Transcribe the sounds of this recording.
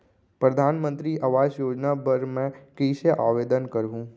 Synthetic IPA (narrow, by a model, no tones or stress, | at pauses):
pɾɐd̪ʱaːnmə̃nt̪ɾiʔɐʋaːd͡ʒjoːd͡ʒnapɐɾmɛ̃kəɪseʔa̰ːʋeːd̪ənkɐɾɦũː